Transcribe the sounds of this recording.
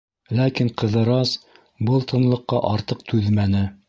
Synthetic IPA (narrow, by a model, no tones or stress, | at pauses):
lækiɴqɤ̆ðɤ̆ɾɑs | bɤlˠt̪ʰɤ̆nlˠɤ̆qːɑʔɑɾt̪ɤq̚t̪ʰʉðmænɘ